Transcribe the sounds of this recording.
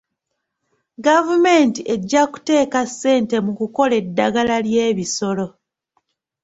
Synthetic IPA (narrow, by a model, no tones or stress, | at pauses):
ɡavume̞ːntiʔe̞ɟːaku̥te̞ːkasːe̞ːnte̞mukuko̞le̞dːaɡalalje̞ːβiso̞lo̞